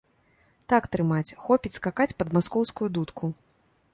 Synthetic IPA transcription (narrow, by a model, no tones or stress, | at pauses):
t̪akt̪ɾɨmat͡sʲxɔpʲit͡sʲskakat͡sʲpɐd̪maskɔwskujud̪ut̪kʰu